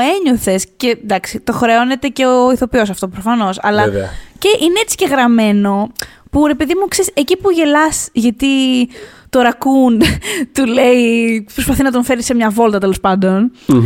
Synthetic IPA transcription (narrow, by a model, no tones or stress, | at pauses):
e̞ɲoθe̞sce̞d̪ɐksit̪o̞xɾeo̞ne̞t̪e̞ceoiθo̞pio̞sɐft̪opɾofɐno̞sɐlɐce̞ʔineet͡si̥ce̞ɣɾɐme̞no̞puɾe̞peðimukseisecipuʝe̞lɐsʝɐt̪i | t̪o̞ɾɐkund̪t̪ule̞ipɾo̞spɐθinɐt̪̬oɱfe̞ɾisemɲɐvo̞lt̪ɐt̪e̞lo̞spɐnd̪o̞n